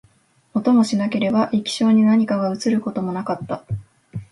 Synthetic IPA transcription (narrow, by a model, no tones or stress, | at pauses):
mo̞t̪o̞mo̞ɕinake̞ɾe̞baʔikʲi̥ɕo̞ːɲ̟inaɲ̟ikaɡaɯ̟t͡sɨɾɯ̟ko̞t̪o̞mo̞nakat̪ːa